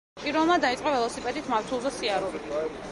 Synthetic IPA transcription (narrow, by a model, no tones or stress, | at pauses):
pʼiɾɔlˠmad̪ait̪sʼqʼavɛlˠɔsipʼɛd̪it̪ʰmaɾt̪ʰulˠzɛsiaɾuɾi